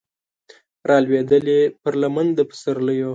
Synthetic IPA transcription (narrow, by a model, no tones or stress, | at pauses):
ɾʔɑlwed̪əlepəɾlamand̪əpə̥səɾləjo